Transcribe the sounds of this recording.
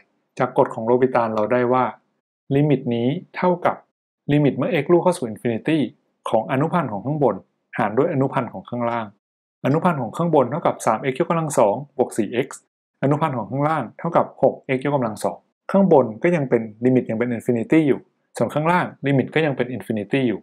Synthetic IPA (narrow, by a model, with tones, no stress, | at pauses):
t͡ɕaː˨˩kːo˨˩t̪̚kʰɔː˩˦ŋɾoː˧bi˧t̪aː˧nla˧wda˥˩jwaː˥˩ | liː˧mi˨˩t̪̚niː˦˥t̪ʰa˥˩wka˨˩p̚ | li˧mi˨˩t̪̚mɯ˥˩ɐʔe˦˥k̚luː˥˩kʰa˥˩wsuː˨˩ʔi˨˧nfi˧ni˧˥t̪iː˥˩ | kʰɔː˩˦ŋʔa˧nu˦˥pʰa˧nkʰɔː˩˦kʰa˥˩ŋbo˧n | haː˩˦ndu˥˩jʔa˧nu˦˥pʰa˧nkʰɔː˩˦ŋkʰaː˥˩ŋɾaː˥˩ŋ | ʔa˧nu˦˥pʰa˧nkʰɔː˩˦ŋkʰaː˥˩ŋbo˧nt̪ʰa˥˩wka˨˩p̚saː˨˩˦mʔe˧˦˥k̚jo˦˥k̚a˧mla˧ŋsɔː˩˦ŋbu˨˩ək̚siː˨˩ʔe˦˥k̚s | ʔa˧nu˦˥pʰa˧nkʰɔː˩˦ŋkʰaː˥˩ŋlaː˥˩ŋt̪ʰa˥˩wka˨˩p̚ho˨˩k̚ʔe˦˥k̚jo˦˥k̚ka˧mla˧ŋsɔ̰ː˩˦ŋ | kʰaː˥˩ŋbo˧nkɔː˥˩ja˧ŋpe˧nliː˧mi˨˩t̪̚ja˧ŋpe˧nʔi˧nfi˧ni˧t̪iː˥˩juː˨˩ | su˨˩ənkʰaː˥˩ŋlaː˥˩ŋli˧mi˨˩t̪̚kɔː˥˩ja˧ŋpe˧nʔi˧nfi˧ni˧t̪iː˥˩juː˨˩